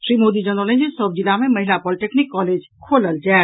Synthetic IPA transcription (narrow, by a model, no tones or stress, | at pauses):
ʃɾimod̪id͡ʑənɔled͡ʑesɔb̚d͡ʑilameməɦilapɔliʈeknikːɔled͡ʑ | kʰoləld͡ʑɛː